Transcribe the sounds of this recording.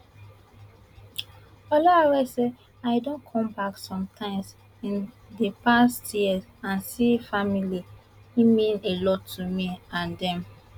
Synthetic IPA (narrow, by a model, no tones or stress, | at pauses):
alaawɛsɛ | aɪdõnkʰɔ̃mbaksɔ̃mtʰãɪ̃ms | ĩn | depastjiɛsãnsifamili | imĩnelɔtʰumiãndɛ̃m